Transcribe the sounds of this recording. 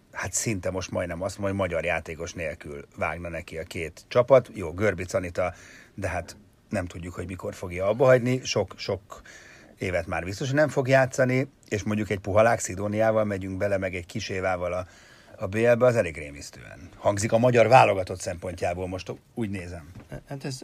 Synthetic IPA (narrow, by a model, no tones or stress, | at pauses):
hat̪sint̪ɛmo̞ʃt̪mɒjd̪nɛmɒst̪omomɒɟɒrjaːt̪eːko̞ʃneːlkylva̰ːɡnɒnɛkiɒkeːt̪t͡ʃɒpɒt̪joːɡø̞rbit̪sɒnit̪ɒd̪ɛɦat̪ | nɛmt̪uɟːukhoɟmiko̞rfo̞ɡjɒɒbːɒɦɒɟniʃo̞kʃo̞k | eːvɛt̪maːrbist̪o̞ʃ̬ɒnɛɱfo̞ɡjaːt̪sɒni | eːʃmo̞ɲɟukɛɟ̚puɦɒlaːksid̪oːnijaːvɒlmɛɟyŋɡbɛlɛmɛɡɛɟkiʃeːvaːvɒlɒː | beːɛlbɛɒzɛleːɡreːmist̪ø̰ːɛ̰nhɒŋɡzikɒmɒɟɒrvaːlo̞ɡɒt̪ot̪sɛmpo̞ɲcaːboːlmo̞ʃt̪ | uːɟneːzɛmhat̪ɛz